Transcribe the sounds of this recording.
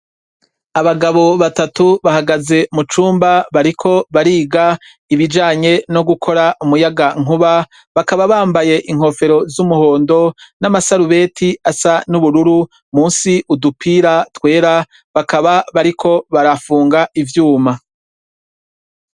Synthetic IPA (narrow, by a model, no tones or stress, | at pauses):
aβaɡaβo̞βatatuβahaɡaze̞mut͡ʃuːmbaβaɾikʰo̞βaɾiːɡa | iβid͡ʒaːɲe̞no̞ɡukʰo̞ɾaʔumujaɡaŋ̥uβa | βakaβaβaːmbaje̞ʔiŋ̥ho̞fe̞ɾo̞zumuho̞ːndo̞namasaɾuβe̞tʰiasanuβuɾuɾu | muːnsiʔudupʰiːɾatwe̞ːɾa | βakaβaβaɾikʰo̞βaɾafuːŋɡaivjuːma